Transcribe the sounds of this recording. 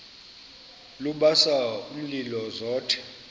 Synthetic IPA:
luɓasaum̩lilɔzɔːtʰɛ̥

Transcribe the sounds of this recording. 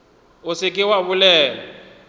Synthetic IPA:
ʊsɪkʼɪwaβʊlɛːlɔ

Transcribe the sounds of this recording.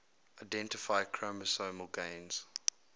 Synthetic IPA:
aɪdɛ̃ntɪfaɪkʰɹoməsoːməlˠɡẽɪ̃nz̥

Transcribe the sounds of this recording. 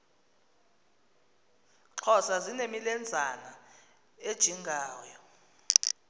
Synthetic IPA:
ǁʰɔsazinemilɛnd͡zʱana | ed̥ʒ̥ʱiŋɡʱaːjɔ

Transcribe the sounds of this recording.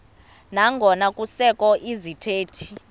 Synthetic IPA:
naŋɡʱɔnakʼusɛkʼɔʔizitʰeːtʰi̥

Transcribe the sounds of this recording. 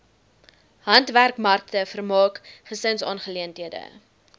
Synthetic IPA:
hɐntværkmɐrk̚təfərmɑːkχəsənsɑːnχəliəntɦiədə̰

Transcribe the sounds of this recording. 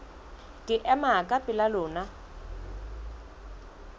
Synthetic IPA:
kʼɪʔɛmakʼapʼɪlalʊːna

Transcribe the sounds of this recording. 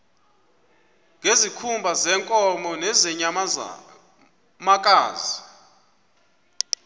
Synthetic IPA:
ŋʱezikʰumbʱazɛːŋkʼɔmɔnɛzɛɲa | makʼaːzi

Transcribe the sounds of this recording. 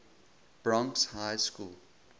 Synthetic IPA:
b̥ɹɔ̃ŋkshaɪskuːl

